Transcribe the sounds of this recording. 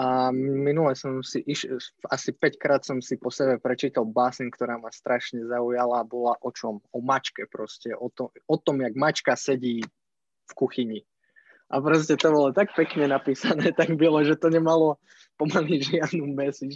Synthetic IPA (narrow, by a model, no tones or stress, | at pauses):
ʔaminulɛsɔmsiʔiʃasipɛckɾaːt̪sɔmsipɔsɛbɛpɾɛt͡ʃiːt̪alˠbaːsinkt̪ɔɾaːmast̪ɾʔaʃɲɛzaujalabɔlaʔɔt͡ʃɔmɔmat͡ʃkɛpɾɔscɛʔɔt̪ɔɔt̪ɔmjaɡmat͡ʃkasɛɟiː | fkuxiɲi | ʔapɾɔs̬cɛt̪ɔbɔlɔt̪ak̚pɛkɲɛnapiːsanɛːt̪aɡbilɛʒɛt̪ɔɲɛmalɔ | pɔmaliʒɪad̪numɛsi